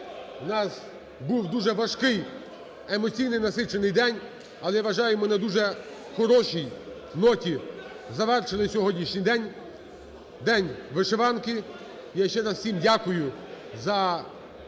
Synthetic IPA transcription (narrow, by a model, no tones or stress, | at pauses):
wnɑs | buwd̪uʒɛʋɐʃkɪj | emɔt͡sʲijnɪjnɐsɪt͡ʃenɪjd̪ɛnʲ | ɐlˠɛʋɐʒɑjʊmɔnɛd̪uʒɛ | xɔɾɔʃij | nɔtʲi | zɐʋɛrʃelˠɪsʲɔɦɔdʲnʲiʃʲnʲijd̪ɛnʲ | d̪ɛnʲʋɪʃeʋɑnkɪ | jaʃt͡ʃɛɾɐswsʲimdʲakʊjʊ | zɐ